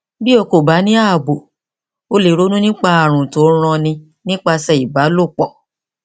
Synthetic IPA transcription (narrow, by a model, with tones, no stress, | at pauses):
bi˦o˧ko˨ba˨˦nĩ˦a˦˨bo˨ | o˧le˨ɾo˦nũ˦nĩ˦k͡pa˧a˨ɾ̃ũ˨to˨˦ɾ̃ɔ̃˧nĩ˧ | nĩ˦k͡pa˧sɛ˧˨i˨ba˨˦lo˦˨k͡pɔ̃˨